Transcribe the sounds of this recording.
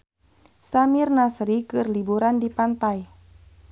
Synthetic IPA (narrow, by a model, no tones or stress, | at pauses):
samirnasɾikɨrlibuɾandipant̪aj